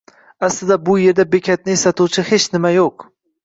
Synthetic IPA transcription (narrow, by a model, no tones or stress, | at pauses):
aslɪd̪abʊje̞ɾd̪abekʲʰat̪̚nɪesat̪ʰuwt͡ʃʰɪhet͡ʃnɪmajoq